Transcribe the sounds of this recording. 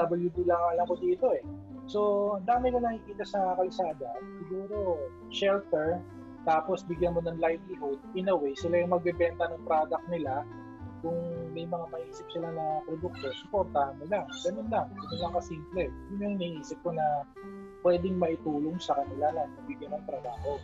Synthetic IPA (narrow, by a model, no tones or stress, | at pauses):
d̪abɐljud̪ilɐŋɐlɐko̞d̪iːt̪o̞ʔɛ | so̞ɐnd̪aːmɪkonɐkɪkiːt̪ɐsɐkɐlsaːd̪ɐsɪɡuːɾo̞ | ʃɛlt̪ɛɹ | t̪aːpo̞sbɪɡjɐnmo̞nɐŋlajt̪lɪɦod̪̚ʔɪnɐwejsɪlajʊŋmɐɡ̚bɛbɛnt̪ɐnɐŋpɾad̪ɐk̚nɪla | kʊŋmɛjmɐŋamɐʔiːsɪp̚sɪlanɐpɾod̪ʊk̚t̪osɪpoɾt̪amolaŋɡɐnonlɐŋɡɐnonlɐŋkɐsiːmplɛjʊŋjʊŋnɐʔiːsɪp̚konɐ | pwɛːd̪ɪŋmɐʔɪt̪uːloŋsɐkɐnɪlanɐnɐbɪɡjɐnːɐŋt̪ɾɐbaːho̞